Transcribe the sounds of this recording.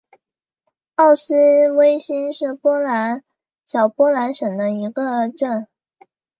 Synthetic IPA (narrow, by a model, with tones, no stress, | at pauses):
ɑ˥˩ʊsɹ̩˥we˥ɪɕi˥nʂɻ̩˥˩pwɔ˥la˧˥n | ɕjɑ˨˩ʊpwɔ˥la˧˥nʂɤ˨˩ŋd̪ə˦i˧˥ɡə˧ʈ͡ʂə˥˩n